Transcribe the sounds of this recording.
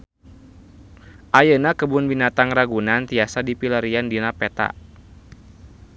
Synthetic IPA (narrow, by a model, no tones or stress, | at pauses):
ʔajənakəbʊnbinat̪aŋraɡunant̪iasadipilaɾiandinapɛt̪a̰